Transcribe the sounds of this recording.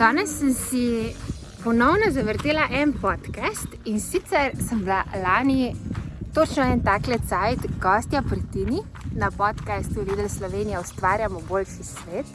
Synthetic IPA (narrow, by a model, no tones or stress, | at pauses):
d̪ɔːnɛsːəmsi | pɔnɔwnɔzaʋəɾt̪eːlaʔɛnpɔt̪kɛst̪insit̪sɛɾsəmblalaːnit̪ot͡ʃnɔɛnt̪aklɛt̪sajt̪ɡɔːst̪japɾit̪ini | napɔt̪kast̪uʋiːd̪ɛlslɔʋeːnijaɔst̪ʋaːɾjamɔbolʃisʋeːt̪